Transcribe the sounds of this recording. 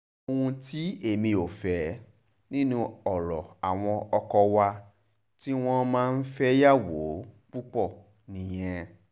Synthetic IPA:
o˧wũ˧ti˦e˦˨mĩ˧o˨fɛ˨˦ | nĩ˦nũ˧ɔ˨ɾɔ˨a˨w̃ɔ̃˧ɔ˧kɔ˧wa˧ | ti˦w̃ɔ̃˦mãː˦˧n̩˦fɛ˦ja˦˨wo˨˦k͡pu˦k͡pɔ˦˨ | nĩ˨j̃ɛ̃˧

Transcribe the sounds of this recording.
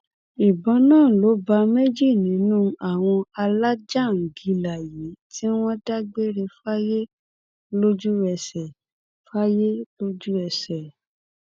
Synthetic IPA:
i˨bɔ̃˨˦nãː˦˨lo˨˦ba˧me˦d͡ʒi˦˨nĩ˨˦nũː˦a˨w̃ɔ̃˧a˧la˦d͡ʒa˦˨ŋ̩˨ɡi˧˦la˨ji˨˦ti˦w̃ɔ̃˦da˦ɡ͡be˦ɾe˧fa˦je˦ | lo˦d͡ʒu˦ɛ˧sɛ˨ | fa˦je˦lo˦d͡ʒu˦ɛ˧sɛ˨

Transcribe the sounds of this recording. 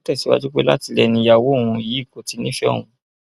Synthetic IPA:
tɛ˦˨si˨˦wa̰˧˦d͡ʒu˦k͡pḛ˦la˦ti˧lɛ˧nĩ˧ja˦˨wõ˨˦˨ũ˧i˨jiː˨˦˨ko˨ti˧˦nĩ˦ʃɛ˦o̰˨ũ˨˧

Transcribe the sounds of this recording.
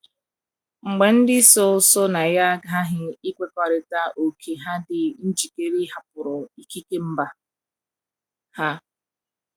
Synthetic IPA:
ŋ͡m̩˨ɡ͡be˨n̩˦dɪ˦so˦so˦na˨ja˦ɡa˦ɦɪ˦i˦kʷe˦kɔ˨ɾɪ˨ta˦ʔo˨kʰe˨ɦa˦dɪ˨n̩˦d͡ʒi˨ke˦ɾi˦ɦa˨pʊ˨ɾʊ˨i˨ki˦ke˦m̩˦ba˦ | ha˦

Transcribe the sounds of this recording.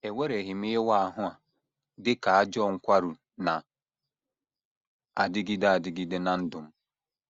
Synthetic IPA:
e˨ŋʷe˦ɾe˨ɦɪ˨mi˦ɦe˦wa˦a˨ɦʊ˦a˨ | dɪ˦ka˨a˦d͡ʒɔ˦˨ŋ̩˦kʷa˦ɾu˨ | na˨ | a̰˨dɪ˦ɡi˦da˦a˨dɪ˦ɡi˦dɪ˦na˨n̩˦dʊ˨m̩˦

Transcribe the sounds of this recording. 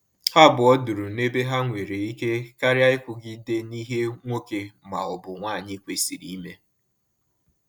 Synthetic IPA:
ha˦bʊ˨ɔ˦du˨ɾu˨ne˦be˦ɦa˦ŋʷe˨ɾe˨i˦ke˦ka˦ɾja˦ɪ˦kʷʊ˨ɡɪ˦de˦ni˦ɦe˦ŋʷo˦ke˨ma̰˨ʊ˨bʊ˨ŋʷaː˦˨ɲɪ˦kʷe˨si˨ɾḭ˦me˦

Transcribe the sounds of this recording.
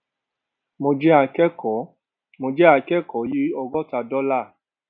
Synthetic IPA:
mo˧d͡ʒɛ˦a˧kɛ˦kɔ˨˦ | mo˧d͡ʒɛ˦a˧kɛ˦kɔ˨˦ji˦ɔ˧ɡɔ˦ta˧dɔ˦la˦˨

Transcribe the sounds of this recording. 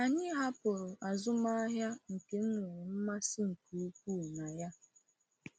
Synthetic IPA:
a˨ɲɪ˦ɦa˦pʊ˨ɾʊ˨ʔa˨zʊ˦ma˦ɦja˦ŋ̩˨ke˨ŋ̩˦ŋwe˨m̩˦ma˦sɪ˦ŋ̩˨ku˨u˦k̚ʷu˦˨na˨ja˦

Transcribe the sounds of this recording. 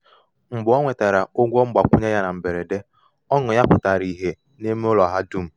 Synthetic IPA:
ŋ͡m̩˨bʊ˨˦ɔ˦ŋʷe˨ta˨ɾa˨o˦ɡʷɔ˦ŋ͡m̩˦ɡ͡ba˨kʷʊ˦ɲe˦ja˦na˨m̩˨be˨ɾe˨de˦ | ɔ˦ŋʊ˨ja˦pʊ˨ta˨ɾi˨ɦe˨ | ne˦me˦ʊ˦lɔ˨ɦa˦du˦m̩˦

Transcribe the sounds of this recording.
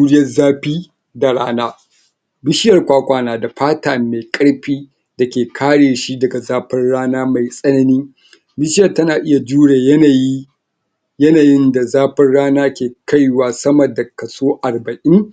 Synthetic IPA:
uː˦ɽɪ˦jɐ˦zaː˦ɸiː˦ | da˨ɽaː˦naː˦ | bɪ˦ʃɪ˦jɐ˨rkʷaː˦kʷaː˨naː˨da˨ɸaː˦taː˨meː˨kʼɐ˦ɽɸiː˦ | da˨kʲeː˨kʰaː˦ɽeː˨ʃi˦dɐ˨ɡa˨zaː˦ɸɐ˦nɽaː˦naː˦ma˨jsʼɐ˦nɐ˦niː˦ | bɪ˦ʃɪ˦jɐ˨tɐ˦naː˨ʔɪ˦ja˨d͡ʒuː˦ɽeː˨jɐ˦na˨ji˦ | jɐ˦naː˨jɪ˦nda˨zaː˦ɸɐ˦rɽaː˦naː˦kʲeː˨ka˦jwaː˨sɐ˦mɐ˨da˨kɐ˨soː˦ʔa˨rbɐ˨ʔɪ˦ŋ

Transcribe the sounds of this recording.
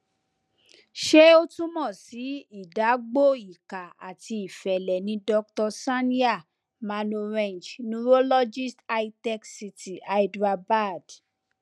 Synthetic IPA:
ʃe˦o˦tũ˦mɔ̃˦˨si˨˦i˦˨da˨˦ɡ͡bo˦i˦˨ka˨a̰˨ti˧i˨fɛ˨lɛ˨nĩ˧˦dɔ˧k̚tɔ˧sa˦nĩ˦a˦˨ | ma˧no˧ɾẽ˦˨nd͡ʒnũ˧˦ɾo˦lɔ˦d͡ʒi˦sta˧i˧tɛ˦ksi˧ti˨a˧i˧dɾa˧ba˦˨d

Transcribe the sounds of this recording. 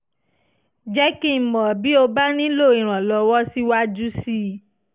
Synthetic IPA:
d͡ʒɛ˦kĩ˦˨mɔ̃˨bi˦o˧ba˦ñĩ˦lo˦˨ĩ˨ɾ̃ã˨lɔ˧wɔ˦si˦wa˦d͡ʒu˦si˦

